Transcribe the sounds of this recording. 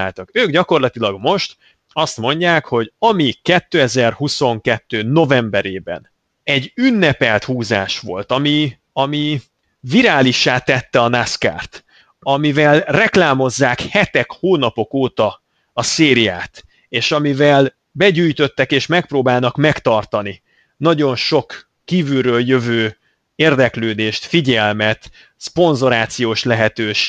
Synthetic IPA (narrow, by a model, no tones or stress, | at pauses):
aːlt̪ɒkøːɡɟɒko̞rlɒt̪ilɒɡmo̞ʃt̪ | ɒst̪mo̞ɲɟaːkho̞ɟɒmikɛt̪ːøːɛzɛrhuso̞ŋkɛt̪ːøːno̞vɛmbɛɾeːbɛ̰n | ɛɟynːɛpɛlt̪huːza̰ːʃʋo̞lt̪ɒmi | ɒmi | viɾaːliʃːaːt̪ːɛt̪ːɛɒnaska̰ːrt̪ | ɒmivɛlrɛklaːmo̞zːaːkhɛt̪ɛkhoːnɒpo̞koːt̪ɒ | ɒseːɾija̰ːt̪ | eːʃɒmivɛl | bɛɟyːjt̪ø̞t̪ːɛkeːʃmɛk̚proːbaːlnɒkmɛkt̪ɒrt̪ɒni | nɒɟo̞nʃo̞kː | iːvylrøːljø̞vøː | eːrd̪ɛkløːd̪eːʃt̪fiɟɛlmɛt̪ | spo̞nzo̞ɾaːt̪sijoːʃlɛɦɛt̪øːʃ